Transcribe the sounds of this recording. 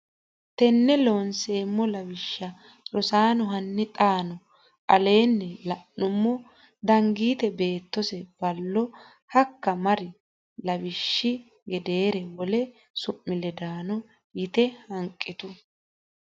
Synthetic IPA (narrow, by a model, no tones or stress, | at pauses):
t̪ɛnːɛlonse̞ːmːɔlɐwɪʃːɐ | ɾɔsaːnɔɦɐnːɪt̪ʼaːnɔ | ʔɐle̞ːnːɛlɐʔnʊmːɔ | d̪ɐŋɡiːt̪ɛbe̞ːt̪ːɔsɛb̥ɐlːɔ | hɐkːɐmɐɾɪ | lɐwɪʃːɪ | ɡɛd̪e̞ːɾɛwɔlɛ | sʊʔːɪlɛd̪aːnɔ | jɪt̪ɛhɐŋkʼːɪt̪ʊ